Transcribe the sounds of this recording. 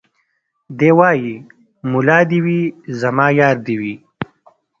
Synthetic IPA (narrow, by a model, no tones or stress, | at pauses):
d̪eːwaːji | mulɑːd̪iwizɐmɑːjɑːɾd̪iwi